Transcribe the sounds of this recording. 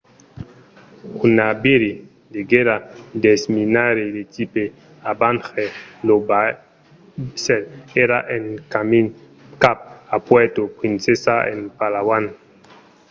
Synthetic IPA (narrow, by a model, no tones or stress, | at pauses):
unabiɾi | deɡeɾadesminaɾedetipe | abanxeloba | sɛleɾaʔenkamin | kap̚apwɛtopɾinsesaḛnpalawan